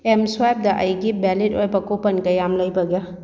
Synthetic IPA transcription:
emswajp̚dɐʔɐjɡibɛlitojbɐkopɐnkɐjamlɐjbɐɡa

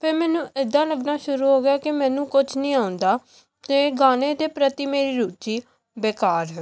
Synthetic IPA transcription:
pʰeɾmɛːnũːɪd̪ːãːləɡnaːʃʊɾuːɦoːɡɪaːkɪmɛ̃ːnũːkʊt͡ʃʰnĩːaːʊ̃nd̪aː | t̪eːɡaːneːd̪eːpɾət̪iːmeːɾiːɾuːt͡ʃiː | beːkaːɾɦɛ

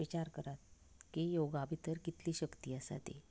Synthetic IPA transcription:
it͡ɕaɾkəɾat̪̚ | kijoɡabʱit̪əɾkit̪liːɕəkt̪iːəsa̰t̪ḛ

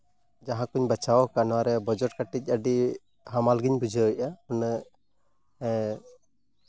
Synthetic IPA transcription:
d͡ʒaɦãkuɲbət͡ʃawɔkanwaɾɛbɔd͡ʒɔʈ̚kaʈic̚ˀəɖi | ɦamalɡiɲbud͡ʒʱəjaun

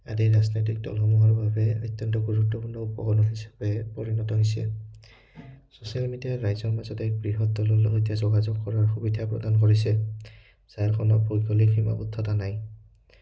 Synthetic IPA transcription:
a̰diɹaznojt̬ik̚dɔ̰lxɔmuɦaɹbʱabɛɔ̰jt̪ːjɔntɔɡuɹutːɔpuɹnɔupɔkɔnɔɹɦisḁbɛpɔɹinɔtɔɦɔjsɛ̰ | sosialmidijaɹajzɔɹmazɔtɛbɹiɦɔtdɔlɔlɦojtiazɔɡazɔɡkɔɹaɹxubidʱapɹɔ̰dankɔɹisɛ | z̥aɹkʰɔnɔbʱoɡɔlikʰima̰butʰːɔtanaj

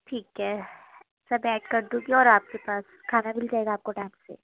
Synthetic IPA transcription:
ʈʰiːkɦɛ | sabɛːʈkɐɾd̪ũɡiɔːɾaːp̚kepaːskʰaːnamɪld͡ʒaːeːɡaːp̚koʈaːɪmsḛː

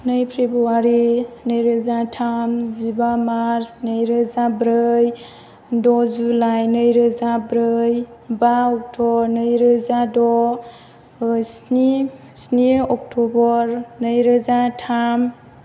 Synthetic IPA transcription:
nɯjpʰɾebɾuaɾinɯjɾɯzatʰamzibamaɾsnɯjɾɯzabɾɯj | dɔzulajnɯjɾɯzabɾɯjbaɔk̚tʰɔnɯjɾɯzadɔ | sni | sniɔk̚tʰɔbɔɾnəjɾɯzatʰam

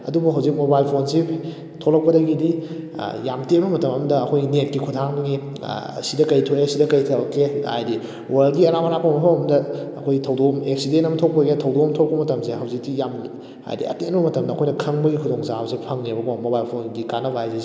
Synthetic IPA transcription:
ɐ̰dubuɦɐwzik̚mobajlpʰonsi | tʰolɐk̚pɐdɐɡidḭ | jamtembɐmɐtɐmɐmɐdɐːkʰojɡinet̚kikʰutʰaŋbɐɡḭ | sidɐkɐjtʰoesidɐkɐjtʰɐkea̰jdi | walɡiɐɾamɐɾapʰomɐpʰowɐmdɐːkʰojɡitʰɐwdomek̚sidentɐmɐtʰok̚pɐɡetʰɐwdomtʰopɐmɐtɐmseɦɐwzik̚tijam | ha̰jdḭɐ̰tenbɐmɐtɐmdɐːkʰojnɐkʰɐŋbɐɡikʰudoŋsahɐwzik̚pʰɐŋnebɐbomobajlpʰondikanɐbajze

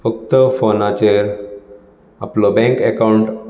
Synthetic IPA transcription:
fək̚t̪əfonat͡ɕeɾ | a̰plɔbɛ̃ŋkekauɳʈ

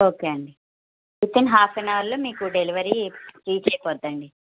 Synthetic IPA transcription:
oːkeːɐɳɖi | it̪ːinɦaːpʰenaːʋɐɾloːmiːkuɖeliʋɐɾisɾiːt͡ʃɛːjɐpɔːd̪ɐɳɖi

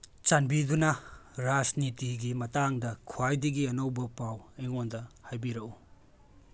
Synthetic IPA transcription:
t͡ʃanbidunɐɾasnitiɡimɐtaŋdɐkʰuajdiɡiɐnowbɐpaweŋondɐhajbiɾɐʔu

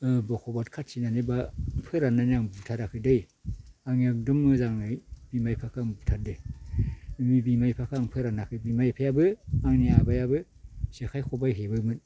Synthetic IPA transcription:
ɯbɔkʰɔbatkʰatsinanebapʰɯɾananaŋbutʰaɾakʰɯdɯj | aŋak̚dɯmːɯzaŋnajbimajpʰakʰaŋbutʰat̚de | mibimajpʰakʰaŋpʰɯɾanakʰɯbimajpʰajabɯaŋniabajabɯ | sekʰajkʰobajɦebɯmɯt

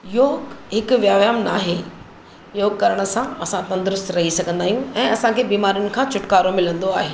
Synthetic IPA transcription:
joːɡɦɪkʊʋjaːʋjaːmnaːɦe | joːɡ̚kɐɾəɽ̃ə̆sãɐsãt̪ɐ̃nd̪ɾʊst̪ɾɐɦisɐɡʱə̃nd̪aːɦijũɛ̃ːɐsãkʰeːbiːmaːɾiʊnɪ̆kʰãːt͡ɕʊʈkaːɾomɪlə̃nd̪oaːɦeː

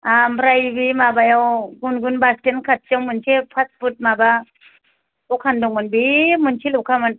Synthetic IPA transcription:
ambɾajbimabajawɡunɡunbastenkʰat̚t͡ʃawmɯnt͡ʃʰepʰat̚put̚maba | ukʰandɔŋmɯnbimɯnt͡ʃʰilukʰamɯn

